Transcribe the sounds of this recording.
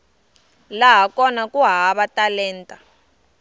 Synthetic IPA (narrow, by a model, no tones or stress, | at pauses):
laɦakɔnakʼuɦaβatʼalɛːntʼa